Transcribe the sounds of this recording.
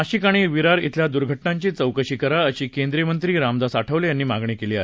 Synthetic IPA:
aɕiːkaɽ̃iːʋiɾaɾḭt̪ʰljad̪uɾɡʱəʈnãɲt͡ɕiːt͡səwkəɕiːkəɾaəɕiːkend̪ɾijəmənt̪ɾiːɾamd̪asaʈʰəʋlejanːiːmaɡɳekeliːae

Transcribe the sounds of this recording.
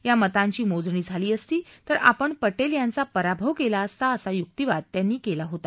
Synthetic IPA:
jamət̪ãɲt͡ɕiːmod͡zɳiːd͡zʱaliːəst̪iːt̪əɾa̰pəɳpəʈeljãnt͡sapəɾabʱəʋkelaəst̪aəsajuk̚t̪iʋad̪̚t̪janːiːkelaɦot̪a

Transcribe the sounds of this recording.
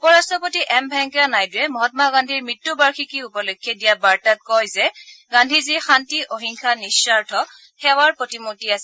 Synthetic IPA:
pɔɹastʰɔpotiʔɛmbʱɛŋkanajduɛmɔɦɔtmaɡãndʱiɹmitːubaɹxʰikiupɔlokʰːjedijabaɹtat̚kɔjzɛɡandʱizixantiʔoɦiŋkʰanisːaɹtʰɔ | xɛwaɹpɹotimutiasɛ

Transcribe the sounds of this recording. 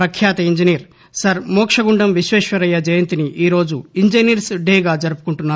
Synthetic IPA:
ɾɐkʰjaːt̪ɐiɲd͡ʒiniːɾ | sɐɾmɔːkʂɐɡuɳɖɐmʋiʃʋɛːʂʋɐɾɐjːɐd͡ʒɐjɐnt̪iniʔiːɾo̞ːd͡ʒuiɲd͡ʒɐniːɾsɖeːɡaːd͡ʒɐɾupu̥kuɳʈunːaː

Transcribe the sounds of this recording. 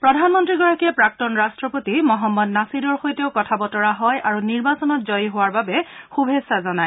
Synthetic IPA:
pɹɔdʱanmɔntɹiɡɔɹakiɛpɹak̚tɔnɹastɹɔpotimɔɦɔmːɔdnasidɔɹxojteʊkɔtʰabɔtɔɹaɦɔjʔaɹuniɹbasɔnɔt̚zɔjɦowaɹbabɛxubʱesazɔnaj

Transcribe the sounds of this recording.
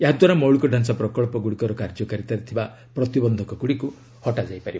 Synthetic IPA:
eɦad̪waɾamɔwɭikɔɖʱansapɾɔkɔɭpɔɡuɽikɔɾɔkaɾd͡ʒɔkaɾit̪aɾit̪ʰiba | pɾɔt̪ibɔnd̪ʱɔkɔɡuɽiku | hɔʈad͡ʒajpaɾi

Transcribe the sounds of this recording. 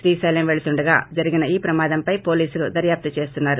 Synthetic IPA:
ʃɾiːsɐjlɐmʋeɭut̪uɳɖɐɡaːd͡ʒɐɾiɡinɐiːpɾɐmaːd̪ɐmpɐjpo̞ːliːsulud̪ɐɾjaːp̚t̪ɐt͡ʃe̞ːst̪unːaːɾu

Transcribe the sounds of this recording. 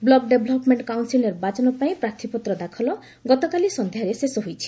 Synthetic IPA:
blɔɡ̚ɖebʱlɔpmeɳʈkawnsilɔɾbad͡ʒɔnɔpaĩpɾaɾt̪ʰipɔt̪ɾɔd̪akʰɔlɔ | ɡɔt̪ɔkalisɔnd̪ʱjaɾesesɔɦojt͡ʃʰi̥

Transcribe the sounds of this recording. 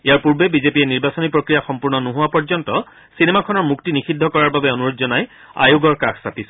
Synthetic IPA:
ejaɹpuɹbebizepiɛniɹbasɔnipɹokɹijaxɔmpuɹnɔnuɦuwapɔɹzɔntɔ | sinemakʰɔnɔɹmuktinixʰidʱːɔkɔɹaɹbabɛɔnuɹozɔnaj | a̰joɡɔɹkaksapis

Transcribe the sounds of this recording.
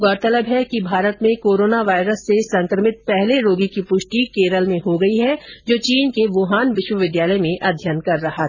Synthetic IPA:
ɡɔːɾt̪ələbɦɛkibʱaːɾət̪mẽkoːɾoːnaʋaːɪɾəsːesɐ̃ŋkɾəmɪt̪̚pɛɦleɾoːɡikipʊʃʈikeːɾəlmẽɦoɡɐiɦɛd͡ʒoːt͡ʃiːnkeʋoːɦaːnʋɪʃwəʋɪd̪jaːləjmẽʔɐd̪ʱjənkɐɾːɐɦa

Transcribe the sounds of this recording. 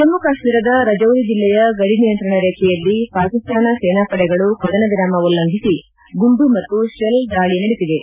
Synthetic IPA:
t̪ɐmːukaːʂmiːɾɐd̪ɐɾɐd͡ʒɐwɾid͡ʒilːɛjɐɡɐɽinijɐnt̪ɾɐɳɐɾeːkʰɛjɐlːipaːkist̪ʰaːnɐseːnaːpɐɽɛɡɐɭuhɐd̪ɐnɐɡiɾaːmɐʋulːɐŋɡʱisi | ɡumbumɐt̪ːuʂelɖaːɭinɐɽit̪id̪e

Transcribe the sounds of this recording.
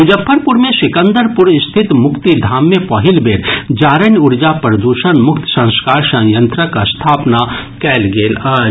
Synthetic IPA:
ʊd͡ʒəpʰːəɾpʊɾmẽʃɪkə̃nd̪əɾpʊɾɪst̪ʰɪt̪mʊkt̪id̪ʱaːmːepɔɦɪlbeːɾd͡ʒaːɾənʊɾd͡ʒapɾɐd̪uːʃənmʊkt̪sɐ̃ŋ̃skaːɾsɐ̃ŋjə̃nt̪ɾəkast̪ʰaːpnakɛːlɡeːlaː

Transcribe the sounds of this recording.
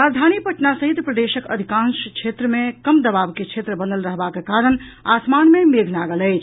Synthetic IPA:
ɾad͡ʒd̪ʱanipəʈnasəɦit̪pɾəd̪eʃəkə̰d̪ʱikãnskt͡ʃʰet̪ɾəmekəmd̪əbabket͡ʃʰet̪ɾəbənd̪əlɾəɦbakekaɾəña̰smanmemeɡʱnaɡələɪt͡ʃʰ

